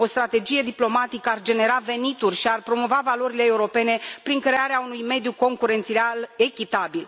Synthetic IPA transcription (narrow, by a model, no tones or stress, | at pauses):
o̞st̪ɾat̪e̞d͡ʒije̞d̪iplo̞mat̪ikəard͡ʒe̞ne̞ɾave̞nit̪urʲʃiarpɾo̞mo̞vavalo̞ɾile̞ːuɾo̞pe̞ne̞pɾiŋkɾe̞aɾeaunujme̞d̪juko̞ŋkuɾe̞nt̪sieale̞kʲit̪abil